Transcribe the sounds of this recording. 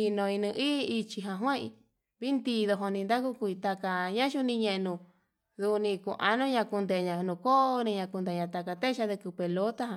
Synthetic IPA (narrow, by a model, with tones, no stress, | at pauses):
i˧nõ˧i˧nĩ˧ʔiː˦˧i˧t͡ʃi˧ɦã˧ɦwã˦ḭ̃˧ | βi˦nd̪i˧ðo˧ɦo˧nĩ˧nd̪a˦ku˦kʷi˧t̪a˧ka˧ɲã˦ʃu˦˧nĩ˧ɲẽ˧ʔnũ˧ | ðu˧nĩ˧kṵ̃˧ʔa̰˧nũ˦˧ɲã˧ku˧nd̪e˨˧ɲã˧nũ˧ko˦˧nĩ˧ɲã˧ku˧nd̪e˧ɲã˧t̪a˧ka˧t̪e˦ʃa˧ðe˧ku˧pe˨lo˦t̪a˦ɦã˧